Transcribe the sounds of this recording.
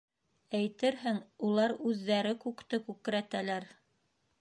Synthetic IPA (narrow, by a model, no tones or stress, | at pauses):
æjt̪ɘɾɦɘŋulˠɑɾʉðːæɾɘkʉkt̪ɘkʉk̆ɾæt̪ælæɾ